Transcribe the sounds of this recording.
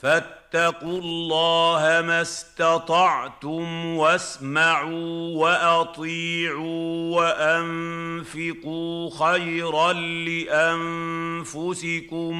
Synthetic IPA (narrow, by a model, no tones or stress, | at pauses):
fat̪ːɑqʊllːɑːhamast̪ɑt̪ˤɑʕt̪ʊmwasmaʕuːwaʔɑt̪ˤiːʕuːwaʔanfɪquːxajɾɑnlɪʔamfʊsɪkʊm